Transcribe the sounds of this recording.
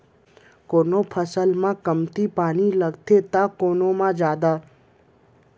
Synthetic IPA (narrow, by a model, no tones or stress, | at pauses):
koːnõpʰəsəlmãkəmt̪ipaːniləɡt̪ʰet̪akoːnõmãd͡ʒaːd̪aː